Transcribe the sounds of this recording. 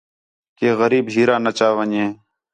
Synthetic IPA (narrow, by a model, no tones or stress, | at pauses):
keːɣəɾiːbɦiːɾãːnət͡ʃaːʋəɲẽː